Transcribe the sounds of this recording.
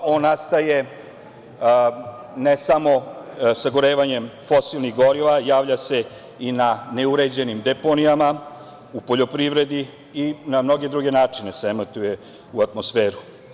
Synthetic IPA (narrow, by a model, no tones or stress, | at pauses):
o̞ːnːast̪aje̞ | nesamo̞saɡoɾe̞ːʋaɲe̞mfo̞silˠniɣɡo̞ɾiʋajaːʋʎase̞ | inane̞uɾe̞d͡ʑe̞nimd̪epo̞nijama | upoʎo̞pɾiʋɾe̞d̪i | inamno̞ɡe̞d̪ɾuɡe̞naːt͡ʂine̞seemat̪uje̞ | uat̪mo̞sfeːɾu